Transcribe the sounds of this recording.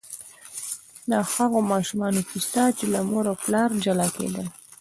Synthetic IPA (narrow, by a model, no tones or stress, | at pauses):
nɑhaɣomɑʃumɑnokist̪ɑt͡ʃelamoɾaplɑɾd͡ʒalɑkḛd̪əl